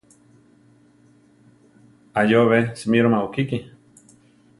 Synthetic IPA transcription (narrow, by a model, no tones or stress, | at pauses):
ajoβesmiɾomaukiki